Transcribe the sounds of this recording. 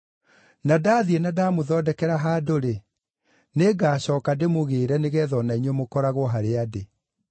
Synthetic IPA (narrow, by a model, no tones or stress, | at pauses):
nadaːðienadaːmoðɔːdɛkɛɾaɦaːdoɾe | neɡaːɕɔːkademoɣeːɾɛneɣɛðɔnaiɲwemokɔɾaɣoɦaɾeade